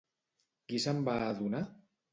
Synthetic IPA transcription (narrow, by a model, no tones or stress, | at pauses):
kisambaːðuna